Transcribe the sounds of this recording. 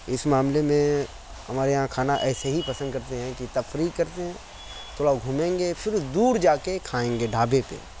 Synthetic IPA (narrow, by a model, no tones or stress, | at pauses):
ɪsmaːmlemẽ | ɐmaːɾeɦãkʰaːnaʔɛːseɦipɐsənd̪̚kɐɾt̪eɦɛ̃kit̪ɐfɾiːkɐɾt̪eɦɛ̃ | t̪ʰoːɽaoɡʱuːmẽːŋɡepʰɪɾd̪uːɾd͡ʒaːkekʰaːẽːŋɡeɖʱaːbepḛ